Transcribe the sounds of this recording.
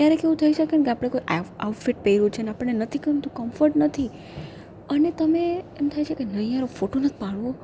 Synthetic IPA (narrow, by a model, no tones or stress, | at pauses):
t̪jaɾekeʋũt̪ʰəiʃəkenkeapəɽ̃ekojʔawʈfiʈ̚peiɾũt͡ʃʰeneapəɽːenət̪ʰikənt̪ũkəmfəɾʈnət̪ʰi | ənet̪əmeemt̪ʰajt͡ʃʰekenəiaɾofoʈonət̪ʰi̥pãɽʋo